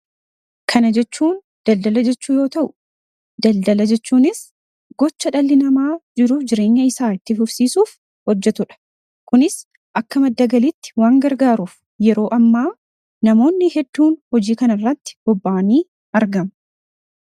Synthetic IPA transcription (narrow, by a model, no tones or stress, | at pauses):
kʰɐnɐd͡ʒɛt͡ʃːuːn | d̪̥ɐld̪ɐlɐd͡ʒɛt͡ʃːuːjo̞ːt̪ɐʔʊ̥ | d̪ɐld̪ɐlɐd͡ʒɛt͡ʃːuːnɪs | ɡ̥ɔt͡ʃːɐᶑɐlːɪnɐmaːd͡ʒɪɾuːfd͡ʒɪɾe̞ːɲːɐɪsaːɪt̪ːɪfʊfsiːsuːf | hɔd͡ʒːɛt̪ʊᶑɐ̥ | kʊnɪs | ʔɐkːɐmɐd̪ːɐɡɐlɪt̪ːɪ̥waːŋɡɐɾɡaːɾuːf | jɛɾo̞ːʔɐmːaː | nɐmo̞ːnːɪhɛd̪ːuːnhɔd͡ʒiːkɐnɐrːɐt̪ːɪ̥b̥ɔbːaːniː | ɐɾɡɐm